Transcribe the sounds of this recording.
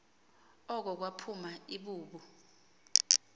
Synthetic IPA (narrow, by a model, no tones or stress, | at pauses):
ɔk̬ɔk̬wapʰumaiɓuːɓu